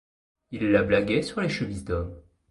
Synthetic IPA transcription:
ilːablaɡʲɛsyʁleʃəmizd̪ɔm

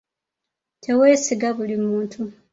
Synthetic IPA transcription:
tʰe̞we̞ːsiɡaβulimuːntʰu

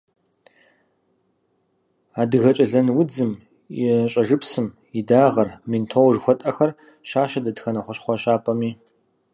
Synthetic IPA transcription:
aːdɨɣɐt͡ʃʼɐɮɐnwʊd͡zɨm | jɪɕʼɐʐɨpsɨm | idaːʁɐrmintʰowʐxʷɔtʼɐxɐr | ʃaːʃɐdɐdxɐnɐχʷɔɕχʷɔɕaːpʰʼɐmiː

